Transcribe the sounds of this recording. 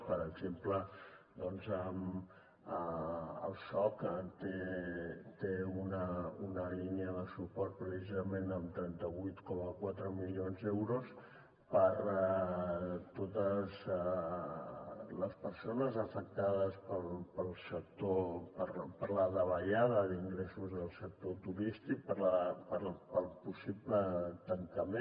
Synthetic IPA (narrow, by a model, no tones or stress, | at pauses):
pəɾəɡzemplə | d̪ɔnzəm | əə̰lˠsɔkt̪e | t̪eunəunəliniəðəsupɔɾt̪̚pɾəsizəmenəmt̪ɾɛnt̪əβujt̪kɔməkwat̪ɾəmilionzðɛwɾos | pəɾ | t̪ot̪əz | ləspəɾsonəzəfək̚t̪að̞əspəlˠpəlˠsək̚t̪opəɾpəɾləðəβəʎaðəðiŋɡɾesuzðəlˠsək̚t̪ot̪uɾist̪ik̚pəɾləpəɾpəlˠpusiplət̪əŋk̪əmẽ